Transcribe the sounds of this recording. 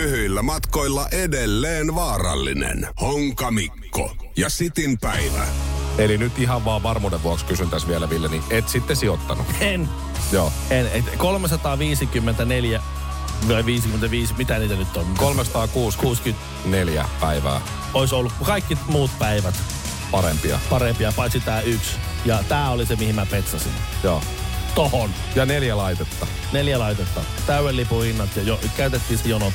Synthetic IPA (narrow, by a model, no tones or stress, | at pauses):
yhyilːæmɑt̪koilːɑʔedelːeːnʋɑːrɑ̰lːḭnḛnhoŋkɑmikːo̰jɑsit̪inpæiʋæ̰elinyt̪iɦɑʋʋɑːʋʋɑrmuːdeʋʋuɑkskysynt̪æsʋielæʋilːæniʔet̪sit̪ːesiot̪ːɑnṵen | joː | enet̪kolmesɑt̪ɑːʋiːsikymːent̪æneljæ | ʋɑiʋiːsikyment̪æʋiːsmit̪æniːt̪ænyt̪ːonkolmesɑ̥t̪ɑːkuːskuːsky | neljæ̰pæiʋæ̰ː | oisolːukkukɑikːimuːt̪pæiʋæt̪ | pɑɾḛmpiɑ̰pɑɾempiɑpɑnsit̪æːyksjɑt̪æːolisemihimæpet̪sɑsḭnjo̰ː | t̪ohon | jɑneljælɑit̪et̪ːɑ | neljælɑit̪et̪ːɑ | t̪æywelːipuhinːɑt̪jɑjokæyt̪et̪ːiːsejono